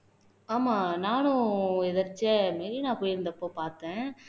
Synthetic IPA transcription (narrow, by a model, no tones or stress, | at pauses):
aːmãːnaːnʊ̃ɛðɐɾt͡ʃːɐmeːɾinãːpoːjɪɾɯnd̪ɐpːoːpaːɾt̪ẽː